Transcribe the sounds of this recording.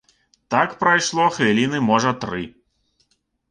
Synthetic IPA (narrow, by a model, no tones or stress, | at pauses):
t̪akpɾajʂlˠɔxvʲilʲinɨmɔʐɐt̪ɾɨ